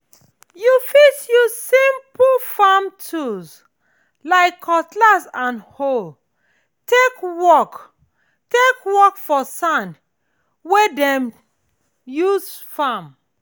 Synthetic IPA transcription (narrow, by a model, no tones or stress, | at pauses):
jufitjuzsĩmpfamtʰuz | laɪkʰːɔtlasãnhol | tekwɔk | tekwɔkfɔsãn | wedɛ̃m | juzfãm